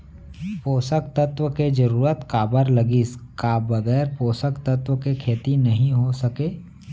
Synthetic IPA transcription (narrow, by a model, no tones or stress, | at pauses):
poːsək̚t̪ət̪wəked͡ʒɐɾuːɾət̪kaːbəɾlɐɡiːskaːbɐɡɛːɾpoːsəkt̪ət̪wəkekʰeːt̪inɐɦĩɦosɐkeː